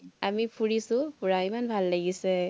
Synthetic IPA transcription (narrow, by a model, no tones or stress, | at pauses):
amipʰuɹisʊ̃puɹaimanbʱalːaɡisɛ